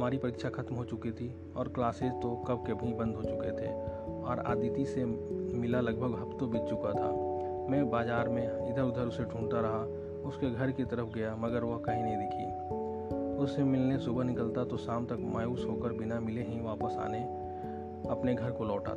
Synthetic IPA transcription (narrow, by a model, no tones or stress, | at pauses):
ɦmaːɾipɐɾiːkʃaxɐt̪mɦot͡ʃʊkit̪ʰi | ɔːɾklaːseːzt̪okɐb̚ʱkebʱibɐ̃nd̪ʱɦot͡ʃʊket̪ʰḛːɔːɾa̰ːd̪iːt̪isemɪlalɐɡ̚bʱəɡɦɐpt̪obɪt̪t͡ʃʊkat̪ʰa̰ | mɛ̃ːbaːzaːɾmẽɪd̪əɾʊd̪ʱəɾʊseʈʰũːɳt̪aɾɐɦa | ʊskeɡʱɐɾkit̪ɐɾəfʰɡɐjamɐɡəɾʋɐɦkɐɦĩnɐɦĩd̪ɪkʰḭː | ʊsːemɪlnesʊbənɪkəlt̪at̪osaːmt̪ɐkmʔaːjuːsɦokəɾbɪnamɪleɦĩʋaːpəsa̰ːne | ɐpneɡʱɐɾkolɔːʈa̰